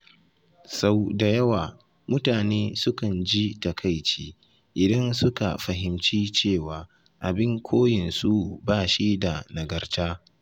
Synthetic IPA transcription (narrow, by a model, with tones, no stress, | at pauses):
sa˦wda˨jɐ˦waː˨ | mʊ˦taː˨neː˦sʊ˦kɐ˨nd͡ʒi˦tɐ˨kʰa˦˨jt͡ʃiː˦ | ʔɪ˨dɐ˦nsʊ˦ka̰˨ɸɐ˨ɦɪ˨mt͡ʃiː˦t͡ʃeː˦˨waː˨ | ʔa˨bɪ˦ŋkʷʰoː˦jɪ˨nsu˦baː˦˨ʃi˦da˨nɐ˨ɡɐ˨rtaː˦